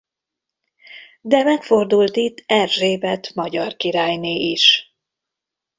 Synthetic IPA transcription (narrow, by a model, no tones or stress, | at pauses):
d̪ɛmɛkfo̞rd̪ult̪it̪ːɛrʒeːbɛt̪mɒɟɒrkiɾaːjneːiʃ